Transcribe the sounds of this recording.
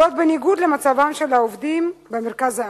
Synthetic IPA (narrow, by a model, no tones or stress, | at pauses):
o̞t̪̚beniɡud̪le̞mat͡savamʃe̞laovd̪imbemeʁkaza